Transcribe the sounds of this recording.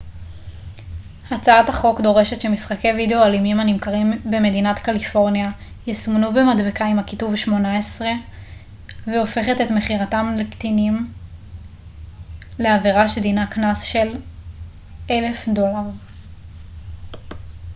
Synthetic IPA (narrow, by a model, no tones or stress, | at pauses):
hat͡saathaχo̞kdo̞ʁe̞ʃetʃemisχake̞jvideoalimimanimkaʁimbeme̞dinatkalifo̞ʁnja | jisumnubemadbekaimhakituvʃmo̞naesʁe̞ | veo̞fe̞χe̞tetme̞χiʁatamlekt̪inim | leaviʁaʃedinaknasʃe̞l | e̞le̞fdo̞laʁ